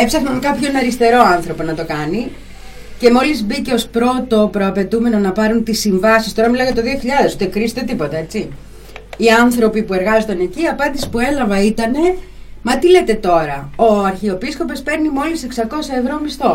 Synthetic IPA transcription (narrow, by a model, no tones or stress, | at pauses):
epsɐxnonkɐpço̞nɐɾist̪e̞ɾo̞ɐnθɾo̞po̞nɐt̪o̞kɐni | ce̞mo̞lizbice̞o̞spɾo̞t̪o̞pɾo̞ɐpe̞t̪ume̞no̞nɐpɐɾunt̪isːiɱvɐsist̪o̞ɾɐmilɐɣɐt̪oðio̞çiʎɐðe̞sut̪ekɾist̪e̞t̪̬ipo̞t̪ɐe̞t͡si | iɐnθɾo̞pipue̞ɾɣɐzot̪ɐne̞ciɐpɐnd̪isi̥spue̞lɐvɐit̪ɐne̞ | mɐt̪ile̞t̪e̞t̪o̞ɾɐo̞ɐɾçio̞pisko̞pe̞spe̞ɾnimo̞lise̞ksɐko̞sɐe̞vɾo̞mist̪o̞